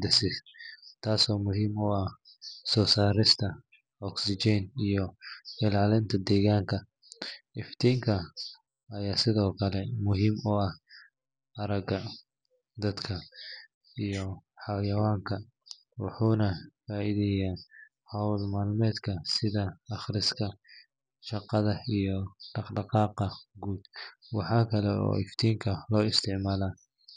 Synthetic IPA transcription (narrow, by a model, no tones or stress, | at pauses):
d̪ɐsɪs | t̪ʰaːsɔːmʊɦiːmʊɐh | sɔːsaːɾɪst̪ʰɐ | ɔksɪt͡ʃɛnijɔɪlaːlɪnt̪ʰɐd̪ɛːɣaːŋkʰɐ | ɪft̪ʰiːŋkʰɐ | ɐjaːsɪðɔːkʰɐlɛmʊɦiːmʊɐh | ɐɾɐɡɐ | d̪ɐd̪kʰɐ | ijɔħɑjɐwaːŋkʰɐ | wɑ̰ħuːnɐfaːʔiːðɛjaː | hɐwlmaːlmɛːd̪kʰɐsɪðɐːχɾɪskʰɐ | ʃɑqɑðɐijɔɖɑqɖɑqɑːqɑɡuːd̪̥wɑħɑːkʰɐlɛɔ̰ːɪft̪ʰiːŋkʰɐlɔːɪst̪ʰɪʕmaːlaː